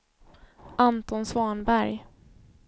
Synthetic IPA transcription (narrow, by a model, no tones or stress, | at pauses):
ʔant̪ɔnsvɑːɳbæɾj